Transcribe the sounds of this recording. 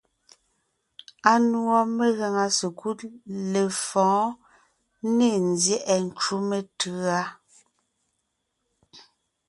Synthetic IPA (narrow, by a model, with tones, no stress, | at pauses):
a˦nwɔ˦me˦ɣa˨ŋa˨se˨ku˦tle˨fɔ̃ː˨˦ | ne˦˨nzjɛ˦ʔɛ˨n̩˨t͡ʃu˦me˨tɯ˨˦a˦